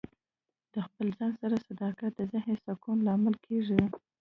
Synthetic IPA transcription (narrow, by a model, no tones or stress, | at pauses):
d̪̥əxpəlzɑnsaɾasad̪ɑkat̪̚d̪əzɪhnesakunlɑmɪlkʰeʐi